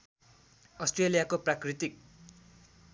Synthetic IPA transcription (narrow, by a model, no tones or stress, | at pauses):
ʌsʈrelijakoprakrit̪ik̚